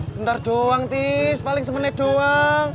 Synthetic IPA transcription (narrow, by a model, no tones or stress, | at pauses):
ənt̪arɖ̥oaŋt̪ispalɪŋsəmənajɖ̥oaŋ